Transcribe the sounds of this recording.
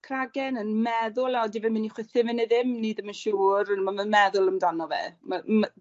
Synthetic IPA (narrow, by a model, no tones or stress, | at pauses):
kʰraɡɛnənmɛðʊlˠaɔdivɛmɪniχwɪθɪvɪneðɪmniðəmənʃuːɾənmamənmɛðʊlˠəmdanɔvɛ̰mam